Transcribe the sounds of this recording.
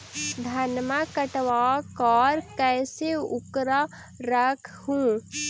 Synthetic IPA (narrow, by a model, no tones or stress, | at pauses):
d̪ʱɐnmakəʈʋaːkɔːɾkɛːseʊkɾa | ɾəkʰhũː